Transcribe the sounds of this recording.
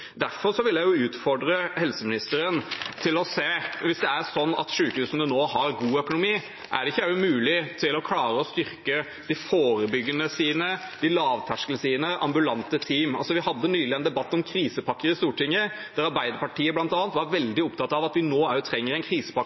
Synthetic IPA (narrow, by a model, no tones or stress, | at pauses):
d̪æɾfɔɾʂɔʋɪlːjæɪjʊʉːt̪fɔɖɾəhɛlsəmɪnɪst̪əɾənt̪ʰɪlɔseːʋɪsd̪ɛæɾsɔnːɑ̰t̪ʂʉːkhʉːsnənoːhɑɾɡuːœkʊnʊmiː | ʔæ̰ɖɛɪçːəæmʉːlɪt̪ʰɪlɔkʰlɑːɾəɔst̪ʏɾkə | d̪̥ɪfoːɾəbʏɡːənəsiːnə | d̪̥ɪlɑːʋt̪ʰæʂkələsiːnəʔɑmbʉlɑnt̪ət̪ʰiːmɑlsɔʋɪhɑd̪ːənyːlɪɛnd̪ɛbɑt̪ːɔmkʰɾiːsəpʰɑkːəɾɪst̪uːʈɪŋːə | d̪̥æɾɑɾbæɪd̪əɾpɑʈiːəblɑnt̪ɑːnt̪ʋɑɾʋɛld̪ɪɔpt̪ʰɑt̪ːɑʋɑt̪ʋɪnoːæt̪ʰɾɛŋːəɾɛɪnkʰɾiːsə̥pɑkː